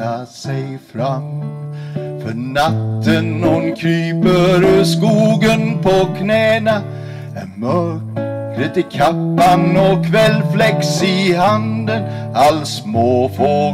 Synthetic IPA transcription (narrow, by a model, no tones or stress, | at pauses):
asɛjfɾam | fœnat̪t̪ʰːənːʊnkʰɾyːpəɾskuːɡənpʰɔkʰnɛːna | æmœɾkɾət̪ɪkʰapːanɔkʰvɛlːflɛksɪɦand̪ənalsmoːfɔ